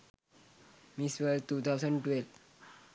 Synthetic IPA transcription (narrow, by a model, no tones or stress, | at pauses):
misʋəɾt̪uːt̪ʰawsə̃ɳɖʈʋelʋ